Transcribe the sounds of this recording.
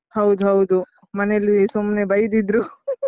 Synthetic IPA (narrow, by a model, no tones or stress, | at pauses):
hɐwud̪uɦɐwud̪u | mɐnelisumnebʱɐjid̪id̪ɾu